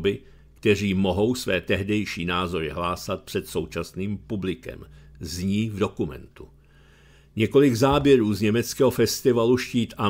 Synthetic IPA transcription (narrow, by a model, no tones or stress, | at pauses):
bɪ | kt̪ɛr̝iːmo̞ɦo̞wsvɛːt̪ɛɦdɛjʃiːnaːzo̞ɾɪɦlaːsat̪̚pr̥ɛt̪so̞wt͡ʃasniːmpublɪkɛ̰mzɲiːvdo̞kumɛ̰nt̪u | ɲɛko̞lɪɡzaːbjɛɾuːzɲɛmɛt͡skɛːɦofɛst̪ɪvaluʃciːt̪ʔa